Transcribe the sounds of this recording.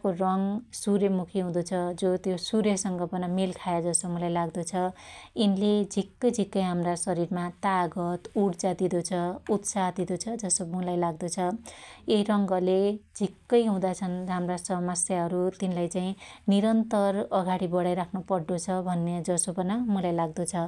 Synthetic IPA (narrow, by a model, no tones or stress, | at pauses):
korʌŋsuɾjemukʰiɦũd̪ot͡sʰʌd͡zot̪josuɾjʌsʌŋɡʌbʌnamilkʰajad͡zʌsomulajlaɡd̪ot͡sʰʌinled͡zʱikːʌjd͡zʱikːʌjɦamrasʌɾiɾmat̪aɡʌt̪uɽt͡sad̪id̪ot͡sʰʌut̪saɦd̪id̪ot͡sʰʌd͡zʌsomulajlaɡd̪ʌt͡sʰʌeɦiɾʌŋɡʌled͡zʱikːʌjɦũd̪at͡sʰʌnramrasʌmʌsjaɦʌɾut̪inlajt͡saĩniɾʌnt̪ʌrʌɡaɽibʌɽajɾakʰnopʌɽːot͡sʰʌbʱʌnːed͡zʌsobʌnamulajlaɡ̚d̪ot͡sʰʌ